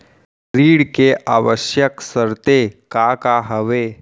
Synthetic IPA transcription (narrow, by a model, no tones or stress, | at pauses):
ɾiːɽkeʔaːʋəʃjəksəɾt̪ekakaɦəʋeː